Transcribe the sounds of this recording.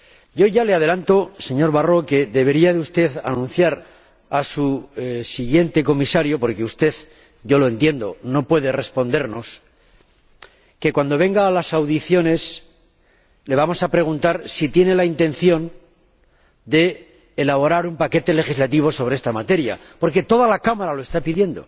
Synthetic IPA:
ɟ͡ʝo̞ʝaleað̞e̞lant̪o̞se̞ɲo̞ɾβaro̞ke̞ðe̞βe̞ɾiaðeust̪e̞θa̰nũnθjaɾ | asusiɣje̞nt̪e̞ko̞misaɾjopo̞ɾke̞ust̪e̞ð | ʝo̞lo̞ent̪je̞nd̪o̞̰no̞pwe̞ðe̞re̞spo̞nd̪e̞ɾno̞s | ke̞kwand̪o̞β̞e̞ŋɡaːlasawðiθjo̞ne̞s | le̞β̞amo̞sapɾe̞ɣ̞unt̪aɾsit̪je̞ne̞laint̪e̞nθjõ̞n | d̪e̞ː | laβ̞o̞ɾaɾumpake̞t̪e̞le̞xizlat̪̬iβ̞o̞so̞β̞ɾe̞est̪amat̪e̞ɾja̰ | po̞ɾke̞t̪o̞ðalakamaɾalo̞e̞st̪apiðje̞nd̪o̞̰

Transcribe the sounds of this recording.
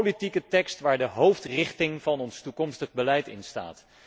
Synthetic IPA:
litikətɛkstʋaːɹdəɦowftrɪχtɪŋv̥ɑnɔnstukɔmstəχbəlɛjtɪ̰nsta̰ːt

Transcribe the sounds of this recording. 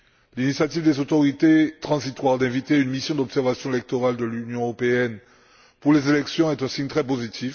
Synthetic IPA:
linisjat̪ivd̪ezot̪oʁit̪et̪χɑ̃zit̪waʁd̪ɛ̃vit̪eynmisjɔ̃d̪ɔpsɛʁvasjɔ̃elɛk̚t̪oʁald̪əlynjɔ̃øʁopeɛn | puʁlezelɛksjɔ̃ɛt̪ɛ̃siɲt̪χɛpozit̪ʰif

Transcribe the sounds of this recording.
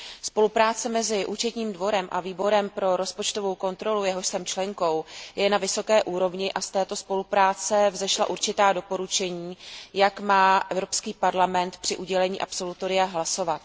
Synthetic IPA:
spo̞lupɾaːt͡sɛmɛzɪʔuːt͡ʃɛt̪ɲiːmdvo̞ɾɛmʔa̰viːbo̞ɾɛmpɾo̞ɾo̞spot͡ʃt̪o̞vo̞wko̞nt̪ɾo̞lujɛɦo̞ʃsɛmt͡ʃlɛŋko̞wjɛnavɪso̞kɛːʔuːɾo̞vɲɪʔast̪ɛːt̪o̞spo̞lupɾaːt͡sɛvzɛʃla̰ʔuɾt͡ʃɪt̪aːdo̞po̞ɾut͡ʃɛɲiːjakmaːʔɛvɾo̞pskiːpaɾlamɛnt̪pr̥ɪʔuɟɛlɛɲiːʔapso̞lut̪o̞ɾɪjaɦlaso̞vat̪

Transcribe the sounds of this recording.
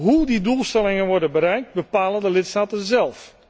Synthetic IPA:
ɦudidulˠstɛlɪŋənʋɔɹdənbəɾɛjk̚t̚bəpaːləndəlɪtstaːtənzɛlˠf

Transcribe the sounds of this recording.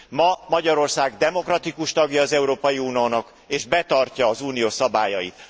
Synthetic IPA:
mɒmɒɟɒɾo̞rsaːɡd̪ɛmo̞krɒt̪ikuʃt̪ɒɡjɒːzɛuɾoːpɒjiuːnijoːnɒk | eːʒbɛt̪ɒrcɒːzuːnijoːsɒbaːjɒjḭt̪

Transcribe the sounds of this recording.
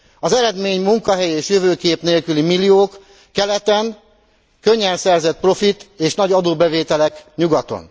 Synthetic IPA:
ɒzɛɾɛd̪meːɲmuŋkɒɦɛjeːʃjøvøːkeːpneːlkylimilːioːkː | ɛlɛt̪ɛn | kø̞ɲːɛnsɛrzɛt̪̚pro̞fit̪eːʃnɒɟɒd̪oːbɛveːt̪ɛlɛkɲuɡɒt̪o̞̰n

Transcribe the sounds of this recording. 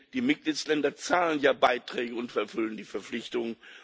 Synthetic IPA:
d̥iːmɪt̚ɡ̥liːtslɛndɐt͡saːlənjaːbaɪtʁ̥ɛːɡəʊntfɛɐfʏləndiːfɛɐp͡flɪçtʊŋən

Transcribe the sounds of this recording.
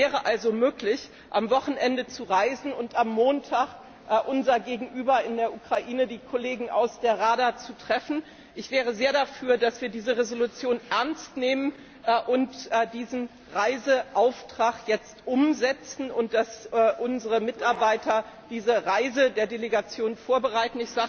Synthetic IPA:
vɛːʁəʔalzomøːklɪç | ʔamvɔχn̩ʔɛndət͡suʁaɪzn̩ʊntamːoːntʰaːk | ʔʔʊnzɐɡeːɡŋ̩ʔyːbɐɪndeːɐʔukʁ̥aʔiːnədiːkʰoleːɡŋ̩ʔa̰ʊsd̥eːɐʁaːdat͡sutʁ̥ɛfn̩ | ʔɪçv̥ɛːʁ̞əzeːɐdafyːɐdasv̥iːɐdiːzəʁezolut͡sjoːnʔɛɐnstneːmən | ʔʊntːdiːzn̩ | ʁaɪzəʔaʊftʁ̥aχjɛt͡stʔʊmzɛt͡sn̩ʊnt̚d̥asʔʊnzəʁəmɪtaɐbaɪtʰɐd̥iːzəʁaɪzədeːɐdeleɡat͡sjoːnfoːɐbəʁaɪtn̩ɪçz̥aːɡə

